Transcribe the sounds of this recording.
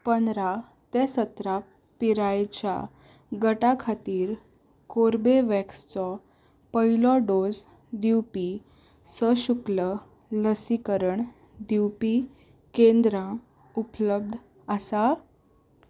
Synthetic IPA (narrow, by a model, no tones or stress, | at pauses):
pənɾa | t̪ɛsət̪ɾa | piɾajt͡ɕja̰ | ɡəʈakʰat̪iːɾ | koɾbeʋɛkst͡sɔ | pəilɔɖod͡z | d̪iwpi | səɕuklə | ləsikəɾəɳ | d̪iwpi | kẽnd̪ɾã | upləb̚d̪ʱ | asa